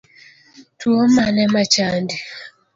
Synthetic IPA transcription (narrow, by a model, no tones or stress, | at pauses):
tuomanɛmat͡ʃandi